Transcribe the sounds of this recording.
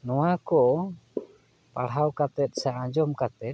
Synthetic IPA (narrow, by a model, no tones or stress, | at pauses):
nɔwakɔʔ | paɽɦawkat̪ɛt̪̚ˀsaʔːɲd͡ʒɔmkat̪ɛt̪̚